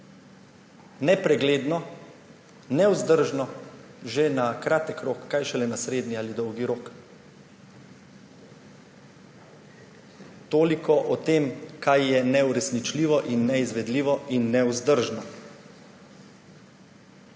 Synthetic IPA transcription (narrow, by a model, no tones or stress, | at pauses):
nɛpɾɛɡleːd̪nɔ | nɛwzd̪əɾʒnɔ | ʒenakɾaːt̪əkɾoːkːajʃɛlɛnasɾeːd̪nialid̪ɔwɡiɾoːk | t̪oːlikʰɔʔɔt̪eːmkajːɛnɛuɾɛsnit͡ʃliːʋɔʔinːɛizʋɛd̪liːʋɔinːɛuzd̪əɾʒna